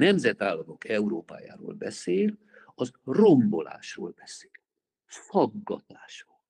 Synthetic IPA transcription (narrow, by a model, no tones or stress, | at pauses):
nɛmzɛt̪aːlːɒmo̞kɛuɾoːpa̰ːja̰ːɾo̰ːlbɛseːl | ɒzro̞mbo̞la̰ːʃroːlbɛse̥ːl | fɒɡːɒ̰t̪aːʃroːl